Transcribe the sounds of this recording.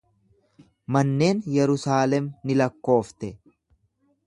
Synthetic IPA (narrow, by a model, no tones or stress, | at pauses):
mɐnːe̞ːnjɛɾʊsaːlɛmnɪlɐkːo̞ːft̪ɛ